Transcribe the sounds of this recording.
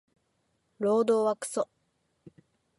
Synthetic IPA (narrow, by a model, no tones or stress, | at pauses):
ɾo̞ːd̪o̞ːβakɯ̥so